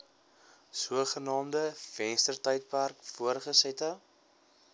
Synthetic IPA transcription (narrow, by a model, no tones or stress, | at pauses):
suəχənɑːmdəfɛnstərtɐjt̚pærkfuəɾχəsɛtɑ